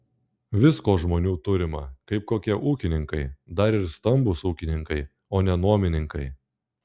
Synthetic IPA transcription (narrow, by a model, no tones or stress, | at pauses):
ʋʲɪskoːʒmoːnʲuːt̪ʊɾʲɪmɐ̰kɐɪp̚koːkʲiɛʔuːkʲɪnʲɪŋkɐɪd̪ɐɾɪɾst̪ɐmbʊsuːkʲɪnʲɪŋkɐɪ | oːnʲɛnuɔmʲɪnʲɪŋkɐɪ